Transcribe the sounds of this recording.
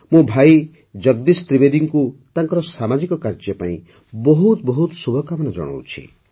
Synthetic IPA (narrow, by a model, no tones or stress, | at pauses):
mũbʱaj | d͡ʒʌɡd̪ist̪ɾibed̪iŋkut̪ãŋkɔɾɔsamad͡ʒikɔkaɾd͡ʒjɔpa̰ḭ̃ | bɔɦut̪bɔɦut̪subʱɔkamɔnɔd͡ʒɔ̰ɽ̃ɔ̰wt͡ʃʰḭ